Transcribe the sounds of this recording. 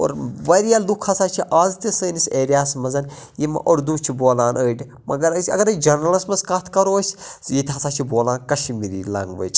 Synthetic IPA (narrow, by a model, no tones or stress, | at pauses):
o̰ːɾʋɐɾijaːlukʰɐsaːt͡ʃʰiʔaːzt̪isəːniseːɾijaːsmɐzɐn | jimɐ̰ʔoɾd̪uːt͡ʃʰiboːlãːnəːɖʲi | mɐɡɐɾɐsʲɐ̰ɡɐɾɐd͡ʒɐɾnɐlɐsmɐskɐt̪ʰkɐɾoːsʲsjit̪ʰɦɐsaːt͡ʃʰiboːlaːnkɐʃimiɾḭːlɐ̰ŋɡʋə̰ːt͡ʃ